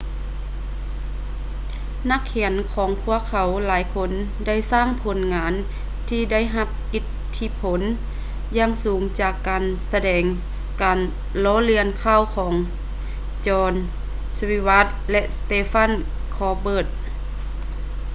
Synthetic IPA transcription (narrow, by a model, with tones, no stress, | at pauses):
na˧˥kʰːɛ˩˦ənkʰɔː˨˦ŋpʰu˧˥˩ɐəkʰːa˨˩˦wlaː˨˦jkʰo˧˥n | da˥˩jsaː˥˩˨ŋpʰo˨˦nŋaː˨˦n | t̪ʰiː˧da˥˩˨jɦa˧p̚ʔi˧˥t̪ʰːi˧˥pʰo˩˦n | jaː˧˨ŋsuː˨˩˦ŋt͡ɕaː˨˩kːaː˨nsa˧dɛː˨˩ŋ | kaː˨n | lɔː˧˥li˧ənkʰaː˧˥˨wkʰɔː˩˦ŋ | t͡ɕɔː˧n | swi˧wa˧˥t̪̚lɛ˧ʔst̪eː˧fa˧˥˨n | kʰɔː˧˩bɤː˧˩t̪̚